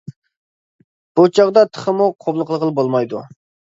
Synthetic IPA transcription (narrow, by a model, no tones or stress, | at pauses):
b̥ut͡ʃʰɑʁd̪ɑt̪ʰə̥χəmuqʰoblˠəqlˠəqəlˠbolˠmɑjd̪u